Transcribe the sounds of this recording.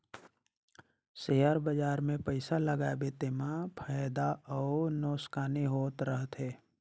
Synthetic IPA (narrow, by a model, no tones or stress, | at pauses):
seːaɾbəd͡ʒaːɾmẽpəɪsaləɡabet̪emãpʰaːjd̪aʔɔːnɔːskaːniɦoːt̪ɾəɦt̪ɦeː